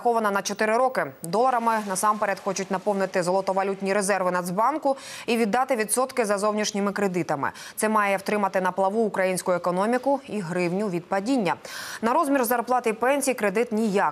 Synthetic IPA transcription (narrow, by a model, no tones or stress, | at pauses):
xɔʋɐnɐnɐt͡ʃɔt̪ɪɾɪɾɔkɪd̪ɔlˠɐɾɐmɪnɐsɑmpeɾʲɐd̪xɔt͡ʃʊtʲnɐpɔwnɪt̪ɪzɔlˠɔt̪ɔʋɐlʲutʲnʲiɾezɛrʋɪnɐd̪zbɑnkʊiʋʲid̪ːɑt̪ɪʋʲid̪sɔt̪kɪzɐzɔwnʲiʃnʲɪmɪkɾed̪ɪt̪ɐmɪ̰t̪sɛmɑjɛwt̪ɾɪmɐt̪ɪn̪ɐplˠɐʋuːkɾɐjinʲsʲkʊjʊɛkɔnɔmʲikʊiɦɾɪwnʲʊʋʲid̪̚pɐdʲinʲːɐnɐɾɔzmʲirzɐrplˠɑt̪ɪipɛnʲsʲijikɾed̪ɪt̪nʲija